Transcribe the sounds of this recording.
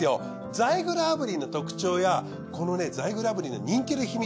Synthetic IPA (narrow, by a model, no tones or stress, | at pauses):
jo̞ | d͡zaiɡɯɾɯabɯ̟ɾʲino̞t̪o̞kɯ̟̥t͡ɕo̞ːja | ko̞no̞ne̞d͡zaiɡɯ̟ɾɯabɯ̟ɾʲino̞̰ɲ̟ĩŋkʲiɾɯ̟çimʲi